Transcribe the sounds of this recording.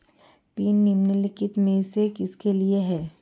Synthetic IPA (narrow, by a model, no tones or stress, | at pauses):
piːnːimnəlɪkɪt̪mẽːsekɪskelieɦɛː